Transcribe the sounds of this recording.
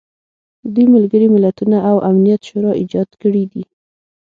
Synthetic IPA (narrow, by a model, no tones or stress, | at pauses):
əd̪ujmalɡəɾimɪlat̪unaʔawʔamnijat̪ʃoɾɑʔid͡ʒɑd̪kəɽid̪i